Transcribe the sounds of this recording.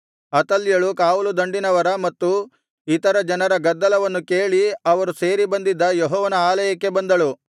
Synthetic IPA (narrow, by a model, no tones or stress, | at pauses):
ɐt̪ɐlːjɐɭukaːulud̪ɐɳɖinɐʋɐɾɐmɐt̪ːu | it̪ɐɾɐd͡ʒɐnɐɾɐɡɐd̪ːɐlɐʋɐnːuke̞ːɭiɐʋɐɾuse̞ːɾibɐnd̪id̪ːɐjɔɦɔːʋɐnɐaːlɐjɐkːe̞bɐnd̪ɐɭu